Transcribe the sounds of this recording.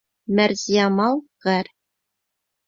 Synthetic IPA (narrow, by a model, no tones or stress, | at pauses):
mæɾzijɑmɑlˠʁæɾ